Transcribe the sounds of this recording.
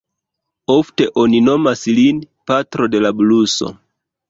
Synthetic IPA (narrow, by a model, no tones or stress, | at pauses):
o̞fte̞ʔo̞nino̞maslin | patɾo̞de̞labluso̞̰